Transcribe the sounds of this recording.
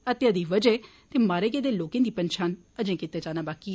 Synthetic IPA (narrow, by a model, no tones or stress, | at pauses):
ət̪eəd̪iːʋəd͡ʒɛː | t̪eːmaːɾeːk̬eːd̪eːloːkẽːd̪iːpənʃʰaːn | əd͡ʒẽːkɪt̪ːeːd͡ʒaːnaːbaːkiː